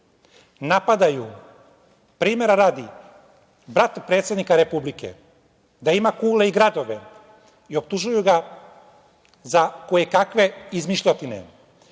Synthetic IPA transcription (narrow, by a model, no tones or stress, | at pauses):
napad̪aju | pɾiːme̞ɾaɾaːd̪i | bɾat̪pɾe̞ːt̪sje̞d̪nikaɾe̞publikḛ | d̪aimakuːleiɡɾad̪o̞ʋe̞̰ | io̞p̚t̪uʒujuɡa | zakojekakʋe̞izmiʃʎot̪inḛ